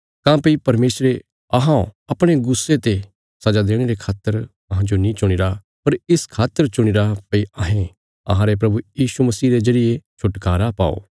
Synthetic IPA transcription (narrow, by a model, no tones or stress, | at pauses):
kãpɐipɐɾmeːsɾe | ɐɦãõɐpɽ̃eɡʊsːet̪e | sɐd͡ʒad̪eːɽ̃eɾekʰaːt̪ːəɾ | ɐɦãd͡ʒonĩt͡ʃʊɽ̃ɪɾa | pɐɾɪskʰaːt̪ːəɾt͡ʃʊɽ̃ɪɾapɐiɐɦẽ | ɐ̰ɦãɾep̬ɾɐbujiːʃumɐsiːɾed͡ʒɐɾɪjet͡ʃʰʊʈkaːɾapa̰ːo̰ː